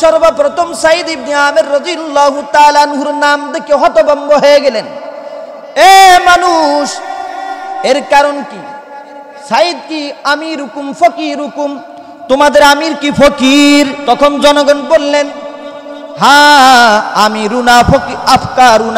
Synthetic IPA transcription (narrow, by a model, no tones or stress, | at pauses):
ʃɔɾbapɾɔt̪ʰɔmsaid̪ib̚niaːmeɾɾɔd̪ijalːaːɦut̪aːlaːnɦuɾnamd̪ekeɦɔt̪ɔbɔmɡɔɦɔeɡelen | emanuʃ | eɾkaɾɔnki | said̪̚kiamiɾukumpʰɔkiɾukum | t̪umad̪eɾamiɾkipʰɔkiɾt̪ɔkʰɔnd͡ʒɔnɔɡɔnbolːen | ɦã | amiɾunapʰɔkiapʰkaɾuna